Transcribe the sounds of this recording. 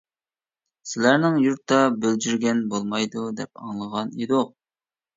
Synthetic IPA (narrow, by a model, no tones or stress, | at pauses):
sɪlæɾnɪŋjuɾt̪ʰːɑbøld͡ʒyɾɡʲɛnbolˠmɑjd̪ud̪ɛp̚ɑ̰ŋlˠəʁɑned̪ʊq̚